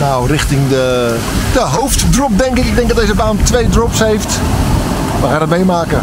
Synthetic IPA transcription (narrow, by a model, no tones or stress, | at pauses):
nawrɪxtɪŋdə | d̥əɦowftdrɔp̚dɛŋkɪkɪɡ̚dɛŋɡdɔtdezəbaːntʋejdrɔpsɦejft | ʋəxaːndɔtmejmaːkə